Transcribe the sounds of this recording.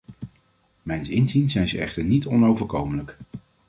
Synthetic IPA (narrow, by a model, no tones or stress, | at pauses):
mɛjnsɪnzinzɛjnzəɛ̰χtəɹnitʰɔnowvəɹkowmələk